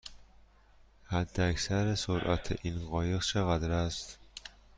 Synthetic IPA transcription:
hæd̪ːeæcsæɾesoɾʔæ̰t̪ʰḛʔinɣɒːjeɣt͡ʃʰeɣæd̪ɾæst̪

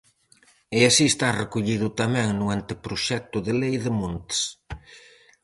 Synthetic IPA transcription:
ɪasiest̪arekuʎiðʊt̪amɛ̃ŋnʊant̪ɪpɾoʃɛk̚t̪ʊðelejðɪmunt̪s

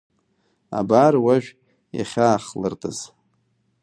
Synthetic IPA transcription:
a̰barwaʒᶣ | ja̰χʲaːχlɨrtʼɨz̥

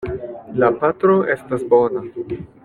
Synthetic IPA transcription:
lapat̪ɾo̞ʔe̞stasbo̞na

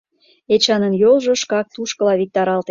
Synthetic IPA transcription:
et͡ɕɑnənjolʒŏʃkɑk̚t̪uʃkə̆lɑβik̚t̪ɑɾɑlt̪e

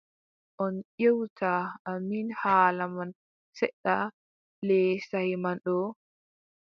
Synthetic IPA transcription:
ʔɔnʔewtʰaʔaminhaːlaman | sɛɗːa | lɛsahimanɗɔ

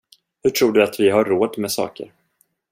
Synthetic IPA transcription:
hɵʈʰɾuːɖɵat̪vɪɦaɾːoːd̪mɛsɑ̰ːkə̰ɾ

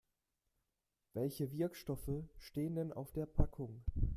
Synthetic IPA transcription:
v̥ɛlçəvɪɐkʃtɔfəʃteːəndɛnʔa̰ʊfd̥eːɐpʰakʰʊŋ

